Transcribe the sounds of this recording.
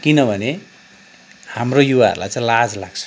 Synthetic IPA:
kinʌbʱʌne | hamrojuwaɦʌ̰ɾula̰jt͡sãj̃lad͡zlaɡ̥t͡sʰʌ̥

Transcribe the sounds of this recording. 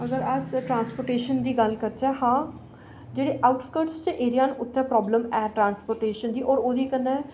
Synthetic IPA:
əɡəɾəsʈɾãːnspoːɾʈeːʃənd̪iːɡəlkəɾt͡ʃɛːhãː | d͡ʒeːɽeːʔaːʊʈskəɾʈst͡ʃəʔeːɾijaːnʊt̪ʰːɛ̃ːpɾɔːbləmɛːʈɾãːnspoːɾʈeːʃənd̪iːʔɔːɾoːd̪iːkənːɛː

